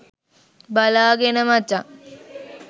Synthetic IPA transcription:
balaːɡenəmat͡ʃa

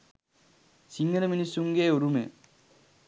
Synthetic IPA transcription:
siŋɡɐnɐminisuŋɡeːoɾumḛ

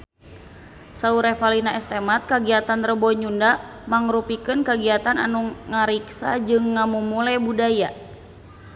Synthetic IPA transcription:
sauɾɛfalinaɛst̪ɛmat̪̚kaɡiat̪anrəbɔɲundamaŋɾupikɨnkaɡiat̪ana̰nuŋaɾiksad͡ʒɨŋːamumulɛbudaja

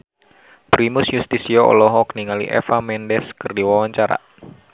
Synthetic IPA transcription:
pɾimusjust̪isiɔɔ̰lɔɦɔkniŋalḭʔɛ̰famɛndɛskɨrdiwawaɲt͡ʃaɾa̰

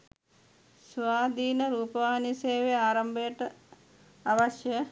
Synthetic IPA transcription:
sʋaːd̪iːnɐɾuːpɐʋaːniseːʋeaːɾɐmbʱeːʈɐ | ɐʋɐʃjɐ

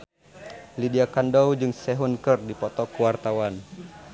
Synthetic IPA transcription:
lidiakandɔwd͡ʒɨŋsɛɦunkərdipɔt̪ɔkəwart̪awan

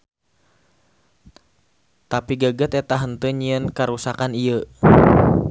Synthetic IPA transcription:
t̪apiɡəɡət̪ɛt̪aɦənt̪əɲiənkaɾusakaniə

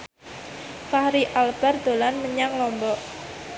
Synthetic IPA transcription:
fahɾiʔalb̥a̤rd̪̥o̤lanməɲaŋlɔmbɔʔ

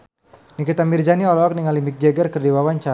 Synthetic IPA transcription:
nikit̪amird͡ʒaniɔlɔɔk̚niŋalimik̚d͡ʒɛɡərkərdiwawant͡ʃa

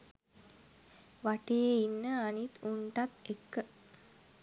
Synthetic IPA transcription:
ʋaʈejeinːəanit̪uɳʈat̪ekːə

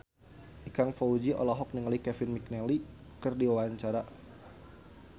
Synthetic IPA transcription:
ʔikaŋfɔud͡ʒiʔɔ̰lɔɦɔk̚niŋəlikɛfɪnmik̚nɛli | kɨrdiwaaɲt͡ʃaɾa

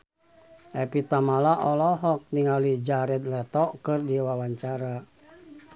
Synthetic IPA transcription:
ɛpit̪amalaʔɔlɔɦɔk̚niŋalid͡ʒaɾɛd̪lɛt̪ɔkɨrdiwawaɲt͡ʃaɾa

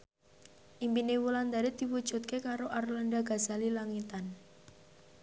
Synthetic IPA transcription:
ʔimpinewuland̪aɾed̪̥iwud̥ʒ̥ṳt̪̚kekaɾoʔarlanɖaɡaz̥a̤lilaŋit̪an

